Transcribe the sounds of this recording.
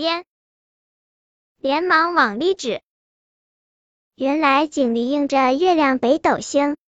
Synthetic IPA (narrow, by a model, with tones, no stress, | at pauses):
ɛ˥n | ljɛ˧˥nmɑ˧˥ŋwɑ˨˩ŋli˥˩ʈ͡ʂɻ̩˨˩˦ | ɥɛ˧˥nla˧˥ɪt͡ɕi˨˩ŋli˧˥i˥˧ŋʈ͡ʂə˨˧ɥɛ˥˧ljɑ˥˩ŋpe˧˥ɪt̪o˨˩ʊɕi˥ŋ